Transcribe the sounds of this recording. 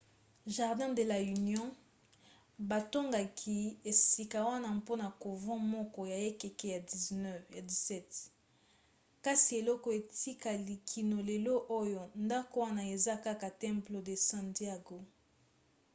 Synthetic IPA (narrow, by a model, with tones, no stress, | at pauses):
ʒa˨ʁdɛ̃˦de˨la˨y˨njɔ̃˦ | ba˨to˦ŋɡa˨kʰi˦e˨si˨ka˨wa˦na˦po˦na˨ko˨vɔ̃˦mɔ˦kɔ˨ja˨e˦ke˨ke˦ja˨di˨znɛ˦vja˨di˨sɛ˦t | ka˦si˨e˨lɔ˦kɔ˨e˨ti˦ka˨li˨kʰi˨no˨le˨lo˦ʔo˦jo˨nda˦ko˨wa˦na˨e˨za˦ka˦ka˨tɛ̃˦mplo˨de˨sã˨ntja˦ɡo˨